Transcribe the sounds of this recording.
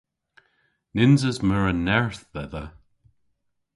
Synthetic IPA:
nɪnzəzməɹənɛɹθbɛðə

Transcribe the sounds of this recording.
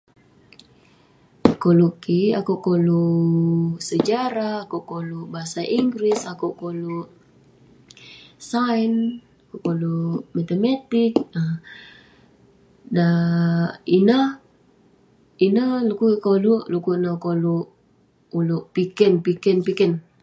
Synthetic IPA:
kolokiakuʔkolu | səd͡ʒaɾaːkuʔkoluʔbaɦasaʔiŋɡɾisakuʔkoloʔ | sajn | akuʔkolumat̪emat̪ikə | da | inə | inəlukukoluʔlukunakoluʔ | uluʔpikɛnpikɛnpikɛn

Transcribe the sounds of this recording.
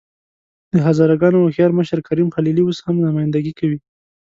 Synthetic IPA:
d̪̥əɦazɑɾaɡɑnoaxjɑɾməʃaɾkaɾimxalilioshamnamɑjnd̪aɡikawi

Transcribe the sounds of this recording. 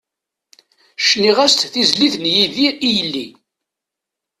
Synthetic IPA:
ʃniʁæst̪θizliθnjiðiijəlːḭ

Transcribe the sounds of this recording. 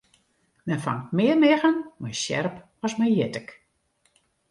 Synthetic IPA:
mɛnfa̰ŋtmɪərmɪɣənmɛjsjɛ̰rp | ɔsmɛjjɪtək

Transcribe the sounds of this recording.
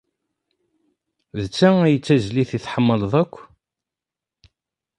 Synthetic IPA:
ðət͡sːææjət͡sːæzliθiθħəmːəlðˤækʷː

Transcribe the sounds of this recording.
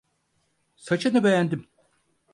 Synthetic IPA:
sat͡ʃʰɯnɯbe̞jænd̪im

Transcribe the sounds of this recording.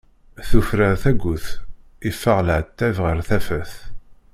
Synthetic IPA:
θufɾəɾθæɡʷːʊθ | ifːəʁləʕt̪ːævʁəɾθæfæθ

